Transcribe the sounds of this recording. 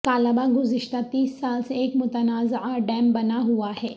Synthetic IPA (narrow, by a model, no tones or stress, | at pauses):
k̪aːləbaɡʊzɪʃt̪at̪iːsːaːlseeːkmʊt̪ənaːzʕaɖɛːmbɐnaɦuaɦɛː